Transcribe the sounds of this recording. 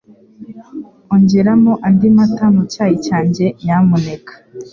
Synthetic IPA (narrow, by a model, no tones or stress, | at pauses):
oɲɟeɾamoʔandimatamucaːjicaːɲɟe̞jamunekʰḁ